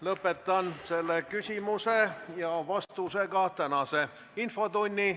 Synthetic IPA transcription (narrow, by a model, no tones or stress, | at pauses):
lɤpːet̪ːˑɑnse̞lːekysʲimusejɑvɑst̪use̞ɡɑt̪ænɑse | info̞t̪unʲːi